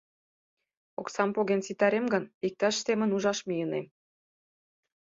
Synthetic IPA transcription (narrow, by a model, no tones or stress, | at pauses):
oksɑmpoɣensit̪ɑɾemɡɤ̆nik̚t̪ɑʃsemə̆nuʒɑʃmijənḛm